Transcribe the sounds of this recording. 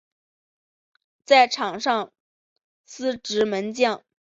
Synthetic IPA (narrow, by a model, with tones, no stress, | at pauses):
t͡sa˥˩ɪʈ͡ʂʰɑ˨˩ŋʂɑ˥˧ŋ | sɹ̩˥ʈ͡ʂɻ̩˧˥mə˧˥nt͡ɕjɑ˥˩ŋ